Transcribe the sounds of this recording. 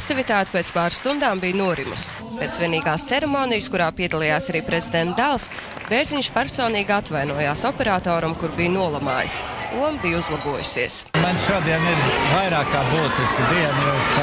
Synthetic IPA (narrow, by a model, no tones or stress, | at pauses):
sivit̪aːt̪ʲpeːt̪spaːɾst̪und̪aːmbijnuɔɾimṵs | peːt̪sviɛniːɡaːst̪sɛɾemoːnijskuɾaːpiɛd̪alˠijaːsaɾiːpɾezid̪ɛnt̪d̪alˠs | beɾziɲʃpɛɾsɔːniːɡʲat̪vajnuɔjaːsɔpɛɾaːt̪oːɾumkuɾbijnuɔlˠama̰ːj̰suɔmbijuzlˠabuɔjṵsiəsmanʃuɔd̪iɛniɾvajɾaːkːaːbuːt̪iskd̪iɛnjus